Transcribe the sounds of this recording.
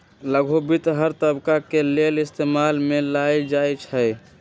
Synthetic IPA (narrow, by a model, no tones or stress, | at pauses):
ləɡʱobit̪ɦəɾt̪əbkakelelɪst̪emalmelajd͡ʒajt͡ʃʰəj